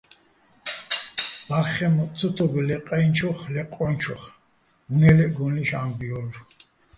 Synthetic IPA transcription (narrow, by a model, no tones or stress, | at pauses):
baχɛmɔt͡sʰut̪ʰɔɡɛlɛqʼɛjnt͡ʃʰɔχlɛqʼɔnt͡ʃʰɔχ | unɛlɛɡɔniʃambiɔlɾ